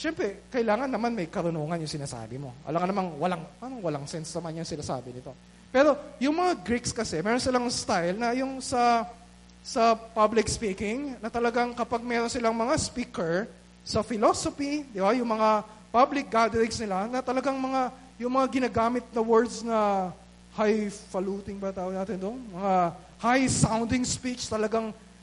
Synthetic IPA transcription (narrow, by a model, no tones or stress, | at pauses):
ʃɛmpɾɛkɐʔɪlaːŋɐnːɐmanmɐjkɐɾʊnoːŋɐnjʊŋsɪnaːsa̰ːbɪmo̞̰ʔɐ̰lɐŋɐnɐmanwɐlaŋpaːɾɐŋwɐlaŋsɛnsnɐmanjʊŋsɪnaːsa̰ːbɪnɪt̪o̞ | pɛːɾo̞jʊŋmɐŋaɡɾikskɐsɛmɛɾonsɪlaŋst̪ajlnɐjʊŋsɐ | sɐpablɪkspiːkɪŋnɐt̪ɐlɐɡaŋkɐpaɡ̚mɛːɾo̞nsɪlaŋmɐŋaspiːkɛɹ | sɐfɪlosofid̪ɪbajʊŋmɐŋa | pablɪk̚ɡad̪ɾɪŋsnɪlanɐt̪ɐlɐɡaŋmɐŋa | jʊŋmɐŋaɡɪnaːɡaːmɪt̪̚nɐwɛɹd̪snɐ | hajfɐluːt̪ɪŋbɐt̪aːʔonaːt̪ɪnd̪oŋmɐŋa | hajsawnd̪ɪŋspit͡ʃt̪ɐlɐɡaŋ